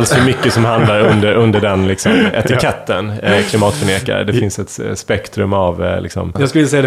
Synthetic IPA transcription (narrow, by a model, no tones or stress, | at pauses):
lsɵmʏkːəsɔmhand̪laɾɵnd̪əɾɵnd̪əɖɛnlɪksɔmɛ̰t̪ɪkʰɛt̪ʰːənkʰlɪmɑːt̪fəɳeːka̰ɾə̰d̪ɛfɪnsɛt̪spɛkt̪ɾɵmavlɪ̰ksɔ̰mjɑsklɪlːjsɛjad̪